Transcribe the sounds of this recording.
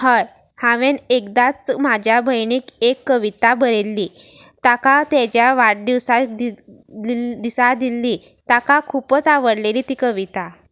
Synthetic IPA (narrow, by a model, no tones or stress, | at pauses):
həj | hãʋẽnekd̪at͡smad͡ʑʱjabʱəjɳikekːəʋit̪abəɾelːiː | t̪akat̪ed͡ʑjaʋaʈ̚d̪iʋsad̪i | d̪isad̪ilːiːt̪akakʰupət͡saʋəɽleliːt̪iːkəʋit̪a